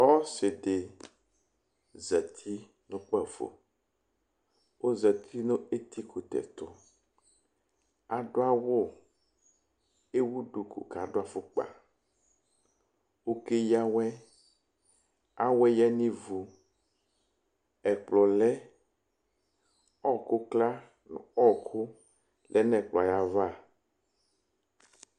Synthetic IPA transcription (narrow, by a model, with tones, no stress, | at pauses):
ɔ˦se˨ɖe˨ | zɛ˨t̪ʰi˦ | nũ˦k͡pɛ˦˨vo̰˨ | wo˦zɛ˨t̪ʰi˦nõ˦e˦t̪i˦ku˨t̪ɛ̰˨t̪o˦ | a˨ɖo˦a˦wo˦ | e˦wu˦ɖu˨kṵ˨ka˨ɖo˦a˨fo˦k͡pa̰˨ | wo˦ke˦ja˦wɛ˦ | a˦wɛ˦jɛ˦nĩ˦vu˨ | ɛ˨k͡plɔ˨lɛ˦ | ɔ˦kʊ˦kla˦ | n̰˨ɔ˦kʰʊ˦ | lʔɛ˨nɛ̃˨k͡plɔ˨a˨ja˦va˦˨